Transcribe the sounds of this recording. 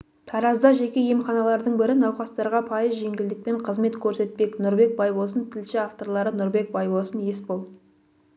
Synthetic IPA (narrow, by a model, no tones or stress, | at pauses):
t̪ʰɑɾɑzd̪ɑʒe̞kʲe̞je̞mχɑnɑlˠɑɾd̪əɴbɪɾɪnɑwχɑst̪ɑɾʁɑpʰɑjəzʒe̞ŋɡʲɪld̪ɪk̚pe̞ɴqʰəzme̞t̪kʲʰɵɾse̞t̪̚pe̞knʊɾbe̞k̚bɑjbos̬ənt̪ʰɪlʃɪaft̪o̞ɾlˠɑɾənʊɾbe̞k̚bɑjbosənje̞spolˠ